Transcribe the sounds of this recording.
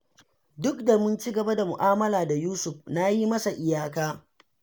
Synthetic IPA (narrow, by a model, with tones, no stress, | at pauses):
dʊ˦kda˨mʊ˦nt͡ʃi˦ɡɐ˨ba˦da˨mʊ˨ʔaː˦mɐ˦laː˨da˨juː˦sʊ˨ɸna˦ji˦mɐ˦sa˨ʔɪ˨jaː˦˨kaː˦